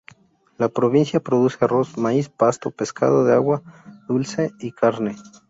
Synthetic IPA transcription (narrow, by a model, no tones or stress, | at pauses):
lapɾoβinsjapɾoðusearosmaispast̪opeska̰ðoðeawaðulseikʰaɾne